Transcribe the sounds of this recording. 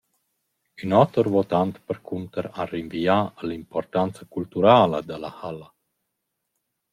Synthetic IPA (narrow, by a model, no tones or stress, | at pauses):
ynɔt̪əɾvot̪ant̪pəɾkʰunt̪əɾarinviaəlimpɔrt̪ant͡sakult̪uɾaːləd̪əlahala